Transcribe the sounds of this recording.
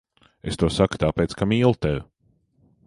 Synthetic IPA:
est̪uɔsaku̥t̪aːpeːjt̪skamiːlˠt̪ɛvʊ

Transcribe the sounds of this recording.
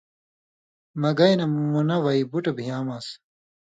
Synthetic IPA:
mɐɡɐjnɐmunɐwɐibuʈɐbʱijaːmaːs

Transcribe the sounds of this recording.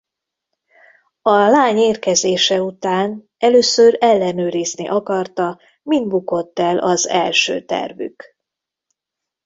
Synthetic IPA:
ɒlaːɲeːrkɛzeːʃɛut̪aːn | ɛløːsøɾɛlːɛnøːɾiznḭʔɒkɒrt̪ɒ | mind̪buko̞t̪ːɛlʔɒzɛ̰lʃø̰ːt̪ɛ̰rvy̰k

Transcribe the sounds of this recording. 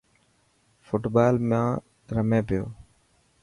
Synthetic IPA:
fʊʈbaːlmãː | ɾəmẽːpɪjo̰ː

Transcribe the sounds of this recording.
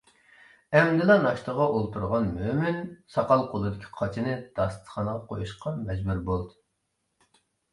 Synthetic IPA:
ɛmd̪ɪlˠɑnɑʃt̪ʰəʁɑʔolˠt̪ʰuɾʁɑnmømɪnsɑqɑlˠqʰolˠɨd̪ɪkʲʰi̥qʰɑt͡ʃʰinɨd̪̥ɑst̪χɑnəʁɑqʰojuʃqɑmɛd͡ʒbuɾbolˠd̪ɨ

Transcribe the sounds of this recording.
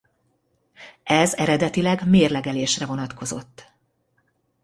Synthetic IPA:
ɛzɛɾɛd̪ɛt̪ilɛɡmeːrlɛɡɛleːʃrɛvo̞nɒt̪ko̞zo̞̰t̪ː

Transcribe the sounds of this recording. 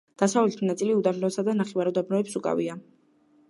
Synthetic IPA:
d̪̥asavlɛt̪ʰinat̪sʼiliud̪amlɔsad̪anaχivaɾud̪abnɔɛpsukʼa̰vḭa

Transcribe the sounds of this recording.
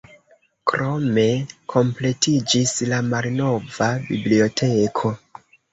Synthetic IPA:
kɾo̞me̞kʰo̞mple̞tid͡ʒislamalno̞vabiblio̞tʰe̞kʰo̞

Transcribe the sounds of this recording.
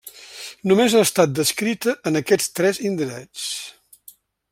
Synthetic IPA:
numezaəst̪at̪̚d̪əskɾit̪əʔənəkɛt͡st̪ɾɛzind̪iɾɛt͡s

